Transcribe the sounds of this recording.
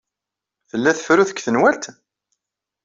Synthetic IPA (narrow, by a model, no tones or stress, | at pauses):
θəlːæθə̥fɾuθə̥kːθənwælt̪